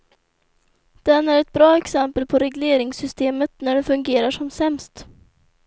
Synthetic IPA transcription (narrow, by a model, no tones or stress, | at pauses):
d̪̥ɛnːæɾɛt̪̚bɾɑːɛksɛmpəlpʰɔɾɛɡleːɾɪŋsʏst̪eːmət̪næɖɛfɵŋɡeːɾaʂɔmsɛmst̪